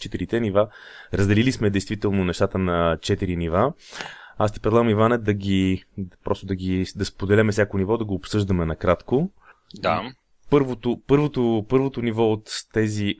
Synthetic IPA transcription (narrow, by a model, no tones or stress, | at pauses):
t͡ʃɛt̪iɾit̪ɛniva | ɾəzd̪ɛlilismɛd̪ɛjst̪vit̪ɛlˠnonɛʃt̪at̪ənɐt͡ʃɛt̪iɾiniva | ast̪ipɾɛd̪lˠaɡəmivanɛd̪ɐɡʲipɾɔst̪od̪ɐɡʲid̪ɐspod̪ɛlɛmɛsʲjakonivɔd̪ɐɡoːpsɤʒd̪əmɛnɐkɾat̪ko | d̪a | pɤɾvot̪opɤɾvot̪opɤɾvot̪onivɔot̪ːɛzi